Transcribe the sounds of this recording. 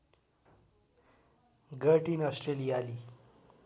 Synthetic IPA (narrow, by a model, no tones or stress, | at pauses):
ɡəɾʈiːnɔsʈɾeliːaliː